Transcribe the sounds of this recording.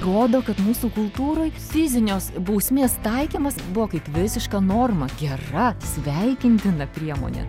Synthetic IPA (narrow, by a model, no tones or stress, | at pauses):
roːd̪oːkɐt̪muːsuːkʊlˠt̪uːɾoːjfʲɪzʲɪnʲoːsbɐʊsʲmʲeːst̪ɐɪkʲiːmɐsbʊʋoːkɐɪpʋʲɪsʲɪʃkɐnoːrmɐɡʲɛrɐsʲʋʲɛɪkʲɪnʲt̪ʲɪnɐpʲɾʲiɛmo̰ːnʲɛ̰